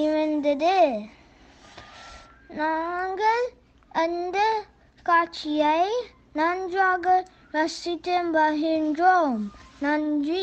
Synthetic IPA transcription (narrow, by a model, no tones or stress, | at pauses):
imənd̪əd̪e | naŋɡəl | ənd̪ə | kat͡ʃiaj | nand͡ʒuaɡə | ɾasit̪embaɦindomnand͡ʒi